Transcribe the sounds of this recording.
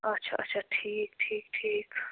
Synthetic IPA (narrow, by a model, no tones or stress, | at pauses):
ɐtːʃʰa̰ɐtːʃʰaʈʰiːk̚ʈʰiːk̚ʈʰiːk